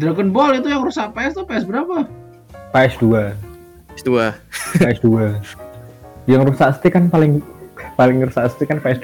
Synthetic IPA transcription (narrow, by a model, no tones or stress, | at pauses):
d̪ɾakənbɔlit̪ujaŋɾusaʔpaɛst̪upaɛsbəɾapa | paɛsdua | sduapaɛsdua | jaŋɾusaʔst̪ikanpalɪŋpalɪŋrusaʔst̪ikanpaɛsd